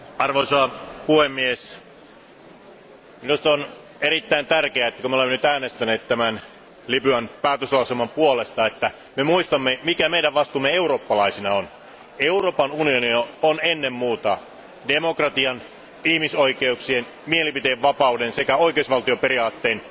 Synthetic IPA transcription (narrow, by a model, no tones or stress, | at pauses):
ɑrʋoisɑpuhemːies | minust̪on | eɾit̪ːæint̪ærkeæet̪ːækumeolemːenyt̪æːnest̪æneːt̪t̪æmæn | lipyænpæːt̪øslɑuselmɑmpuole̞st̪ɑet̪ːæ | memuist̪ɑmːemikæmeidæʋʋɑst̪uːmːee̞uro̞ːpːɑlɑisinɑon | euroːpɑnunionioonenːemmuːt̪ɑ | demokrɑt̪iɑn | ihmisoikeuksien | mielipit̪eeʋʋɑpɑudensekæo̞ik̟eusʋɑlt̪iopeɾiɑːt̪ːeːn